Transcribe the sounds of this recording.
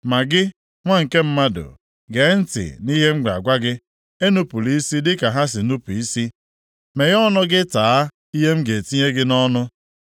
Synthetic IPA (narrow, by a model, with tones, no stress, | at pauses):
ma˨ɡɪ˦ | ŋʷa˦ŋ̩˨ke˦m̩˦ma˦dʊ̰˨ | ɡe˨˦n̩˦tɪ̰˨ni˦ɦe˦m̩˦ɡ͡bʷa̰˨ɡʷa˦ɡɪ˦ | e˦nu˦pu˨li˦si˦dɪ˦ka˨ɦa˦s̬ɪ˨nu˦pu˨i˦si˦ | me˨ɣɔ˦nʊ˦ɡɪ˦taː˨a˦ | i˦ɦe˦m̩˦ɡe˨ti˦ɲe˦ɡɪ˦nɔ˦nʊ˦